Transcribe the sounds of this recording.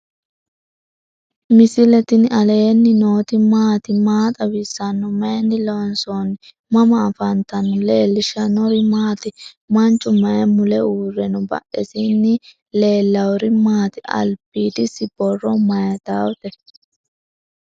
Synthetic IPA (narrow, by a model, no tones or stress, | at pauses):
mɪsɪlɛt̪ɪnɐleːnːɪnoːt̪ɪmaːt̪ɪmaːt̪ʼɐwɪsːɐnːɔmɐjɛnːɪlonsonɪ | mɐmɐːfɐnt̪ɐnːɔle̞ːlːɪʃɐnɔɾɪmaːt̪ɪ | mɐnt͡ʃʼːʊmɐjɛmʊlɛuːrːɛnɔbɐ̰ʔɛ̰sɪnːɪ | le̞ːlːɐwɔɾɪmaːt̪ɪʔɐ̰lbiːd̪ɪsɪbɔrːɔmɐjɐt̪aːwɔt̪ɛ